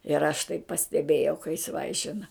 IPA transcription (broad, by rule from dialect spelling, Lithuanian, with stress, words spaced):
ɪr ɐʃ tɐɪ pɐsʲtʲɛˈbʲeːjɛʊ kɐ jɪs ˈʋɐɪʃʲɪnɐ